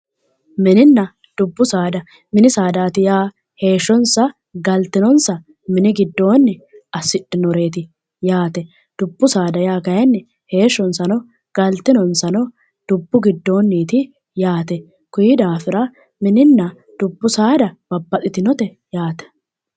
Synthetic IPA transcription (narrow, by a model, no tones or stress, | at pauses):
mɪnɪnːɐ | d̪̥ʊbːʊsaːd̪ɐ | mɪnɪsaːd̪aːt̪ɪjaː | he̞ːʃːɔnsɐ | ɡɐlt̪ɪnɔnsɐ | mɪnɪɡɪd̪ːo̞ːnːɪɐsːɪᶑɪnɔɾe̞ːt̪ɪ | jaːt̪ɛ | d̪̥ʊbːʊsaːd̪ɐjaːɡɐjɐnːɛ | he̞ːʃːɔnsɐnɔ | ɡ̥ɐlt̪ːɪnɔnsɐnɔ | d̪̥ʊbːʊɡɪd̪ːo̞ːnːiːt̪ɪ | jaːt̪ɛ | kʊjɪd̪aːfɪɾɐ | mɪnɪnːɐ | d̪̥ʊbːʊsaːd̪ɐbɐbːɐt̪ʼːɪt̪ɪnɔt̪ɛ | jaːt̪ɛ̥